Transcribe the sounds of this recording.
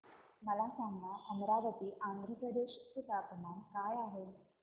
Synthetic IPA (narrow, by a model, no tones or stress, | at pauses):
məlasaŋɡɳaʔəmɾaʋət̪iːʔand̪ʱɾəpɾəd̪eɕt̪it̪apəmankajaɦe